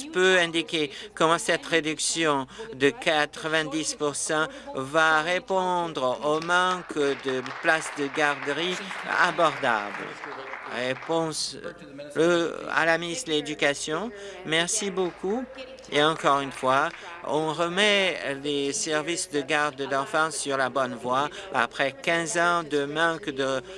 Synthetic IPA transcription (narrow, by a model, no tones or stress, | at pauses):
pøɛ̃d̪ikʲekɔmɑ̃sɛt̪ʁed̪yksjɔ̃d̪əkat̪χəvɛ̃d̪ispuʁsɑ̃ | vaʁepɔ̃d̪ʁomɑ̃kd̪əplasd̪əɡaʁd̪əʁia̰bɔʁd̪a̰bl̰ʁepɔ̃s | əa̰laminisled̪ykasjɔ̃mɛʁsiboku | eɑ̃kɔʁynfwaɔ̃ʁəmɛlesɛʁvisd̪əɡaʁd̪d̪ɑ̃fɑ̃sːyʁlabɔnvwaa̰pχɛkʲɛ̃zɑ̃d̪əmɑ̃kd̪ə